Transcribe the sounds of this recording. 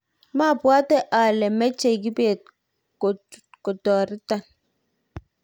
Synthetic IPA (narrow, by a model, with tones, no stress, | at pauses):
ma˦˨pwa˦tɛ˦ʔa˨lɛ˨mɛ˦t͡ʃe˨ɡi˦beː˨t̚ | ko˨kɔ˨tɔ˨ɾi˦ta˨n